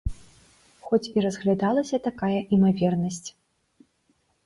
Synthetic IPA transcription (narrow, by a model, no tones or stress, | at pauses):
xɔt͡sʲiɾɐzɣlʲad̪alˠɐsʲɐt̪akajɐʔimavʲɛrnɐsʲt͡sʲ